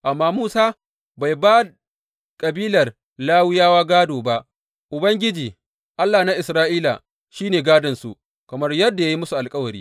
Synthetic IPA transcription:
ʔa˨mːaː˦muː˦saː˦ | ba˨jbaː˦ | kʼɐ˨biː˦lɐ˨r | laː˦wɪ˦jaː˦waː˦ɡaː˦doː˨ba˦ʔ | ʔʊ˨bɐ˦ŋɡʲɪ˦d͡ʒiː˨ | ʔa˦lːaː˨na˦ʔɪ˨sɾaː˦ʔiː˦la̰˨ | ʃiː˦neː˨ɡaː˦dɐ˨nsṵ˨ʔ | kɐ˨mɐ˦rjɐ˦dːa˨ja˦ji˦mʊ˦su˨ʔa˨lkʼɐ˦wɐ˨ɾḭː˦

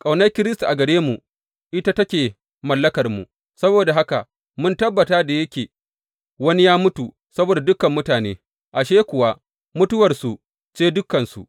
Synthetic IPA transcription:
kʼa˨wnɐ˦kʲɪ˦ɾɪ˦sta˨ʔa˨ɡɐ˨ɽeː˦mu˨ | ʔɪ˦ta˦tɐ˦kʲeː˨ | mɐ˨lːɐ˦kɐ˨rmṵ˨ | sɐ˦boː˨da˨ɦa˦ka̰˨ | mʊ˦ntɐ˦bːɐ˨taː˦da˨jɐ˦kʲeː˨ | wɐ˦ni˦jaː˦mʊ˦tu˨ | sɐ˦boː˨da˨dʊ˦kɐ˨mːʊ˦taː˨neː˦ | ʔa˨ʃeː˦kʷʊ˨wa˦ | mʊ˦tʊ˦wɐ˨rsu˨ | t͡ʃeː˦dʊ˦kːɐ˨nsu˨ʔ

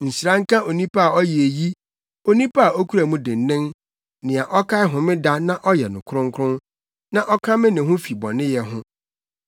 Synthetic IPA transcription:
n̩˨sɾã˦ŋ̩˦kã˦ʔo˨nĩ˦pʰa˦a˨ɔ˦jɛ˨e˨ji˦ | o˦nĩ˦pʰa˦a˨ʔo˦kʰu˦ɾa˨mũ˦dɪ̃˨n̩˨nɪ̃˦ŋ | nɪ̃˨a˨ʔɔ˦kʰa˦ɪ˦ɦʊ̃˨mɪ̃˦da˦nã˦ʔɔ˦jɛ˨nʊ̃˨kʰʊ˦ɾʊ̃˦ŋ̩˦kʰʊ̃˦n | nã˦ʔɔ˦kʰã˦mɪ̃˦nɪ̃˨ɦʊ̃˦fi˨bɔ̰̃˨nɪ̃˦jɛ˨ɦʊ̃˦

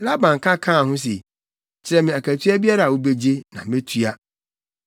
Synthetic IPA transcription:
la˦bã˨ŋ˨kʰã˦kʰã˦a˨ɦʊ̃˦s̬e˨ | t͡ɕʰɪ˨ɾɛ˨mɪ̃˨a˨kʰæ˨tʰɥa˦bi˦a˦ɾa˨a˨wo˦be˦d͡ʑe˦nã̰˨mẽ˦tʰɥa˦

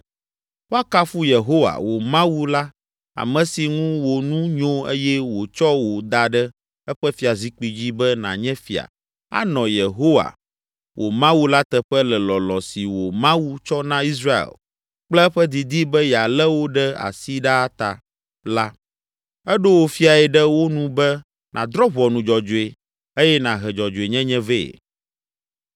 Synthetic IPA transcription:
wo˦a˦ka˦fu˦je˨ɦo˦wa̰˨wo˨mã˦wu˦la˦ | a̰˨mɛ̃˨si˨ŋũ˦wo˨nũ˦ɲõ˦ḛ˦jɛ˦wo˨t͡ʃɔ˦wo˨d̪a˨ɖɛ˦ | ɛ˦ɸɛ˦fi˨a˨zi˦k͡pi˨d͡ʑi˦bɛ˦nã̰˨ɲɛ̃˦fi˨a̰˨ | a̰˦nɔ̃˨je˨ɦo˦wa̰˨ | wʔo˨mã˦wu˦la˦t̪ɛ˨ɸɛ˦lɛ˨lɔ˨lɔ̃˨si˨wo˨mã˦wu˦t͡ʃɔ˦nã˦i˦s̬ɾa˦ḛ˨l | k͡plɛ˦ɛ˦ɸɛ˦d̪i˨d̪i˦bɛ˦ja˨lɛ˦wo˦ɖɛ˦a̰˨si˦ɖa˦a˦t̪a̰˨ | la˦ | ɛ˦ɖo˦wo˨fi˦a˨ɛ˨ɖɛ˦wo˦nũ˦bɛ˦ | nʔã˨d̪ɾɔ˦βɔ˨nũ˨d͡ʒɔ˨d͡ʒo˨e˨ | e˦jɛ˦nã˨ɦɛ˨d͡ʒɔ˨d͡ʒo˨e˨ɲɛ̃˦ɲɛ̃˦ve˦˨ḛ˨

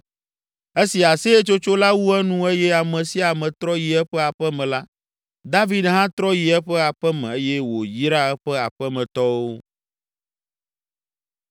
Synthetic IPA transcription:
e˦si˨a˨se˦e˦t͡ʃo˦t͡ʃo˦la˦wu˦ɛ˦nũ˦e˦jɛ˦a˨mɛ̃˨si˦a˨mɛ̃˨t̪ɾɔ˦ji˨ɛ˦ɸɛ˦a˨ɸɛ˦mɛ̃˨la˦ | d̪a˦vi˦d̪ɦã˦t̪ɾɔ˦ji˨ɛ˦ɸɛ˦a˨ɸɛ˦mɛ̃˨e˦jɛ˦wo˨ji˦ɾa˦ɛ˦ɸɛ˦a˨ɸɛ˦mɛ̃˨t̪ɔ˦wo˦

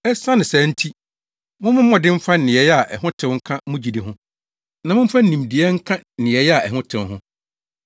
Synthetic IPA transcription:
ɛ˦sã˦nɪ̃˨sɛ˨˦n̩˦tʰi˦ | mʊ̃˦mʊ̃˦mɔ̃˨dɪ̃˦m̩˦fa˦n̩˨nɪ̃˨ɛ˨jɛ˦a˨ʔɛ˨ɦʊ̃˦tʰɪ̃˦ŋ̩˦kʰã˦mʊ̃˦d͡ʑi˨di˨ɦʊ̃˦ | nã˨mʊ̃˦m̩˦fa˦n̩˦nĩ˨mdɪ˨ɛ˦ŋ̩˦kʰã˦˨nɪ̃˨ɛ˨jɛ˦a˨ɛ˨ɦʊ̃˦tʰɪ̃˨wɦʊ̃˦

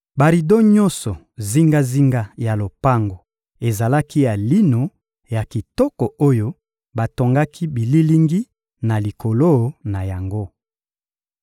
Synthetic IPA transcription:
ba˨ʁi˨do˦ɲɔ˦nsɔ˨ | zi˦ŋɡa˦zi˦ŋɡa˦ja˨lo˨pa˦ŋɡo˨ | e˨za˨la˦ki˦ja˨li˦no˨ | ja˨ki˨tɔ˦kɔ˨o˦jo˦ | ba˨to˨ŋɡa˦kʰi˦bi˨li˦li˦ŋɡi˦ | na˨li˨ko˨lo˦na˨ja˨ŋɡo˦

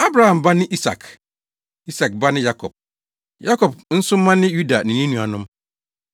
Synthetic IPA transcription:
a˦bɾa˨hã˨mba˦nɪ̃˦ʔi˦sa̰˨k | i˦sa˨k̚ba˦nɪ̃˦ja˦kʰɔ̰˨b̚ | ja˦kɔ˨bn̩˦sʊ˦mã˦nɪ̃˦ju˦da˨nĩ˨nĩ˦nũ˨a̰˨nʊ̃˦m

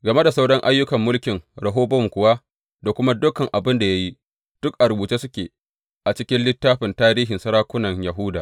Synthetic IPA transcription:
ɡɐ˨me˦da˨sa˦wɽɔ˦ŋʔa˦jːʊ˦kɐ˨mːʊ˦lkʲɪ˨ŋɽɐ˨ɦoː˦bɔ˦mkʷʊ˨waː˦ | da˨kʷʊ˦ma˦dʊ˦kːɐ˨ŋʔa˨bɪ˦nda˨ja˦ji˦ | d̥ʊ˦k̚ʔa˨ɾʊ˨buː˨t͡ʃeː˦sʊ˦kʲeː˨ | ʔa˨t͡ʃɪ˦kʲɪ˦nlɪ˦tːaː˦ɸɪ˨ntaː˦ɾiː˦ɦɪ˨nsɐ˦ɾaː˦kʷʊ˦nɐ˨ŋjɐ˨ɦʊ˦daː˨

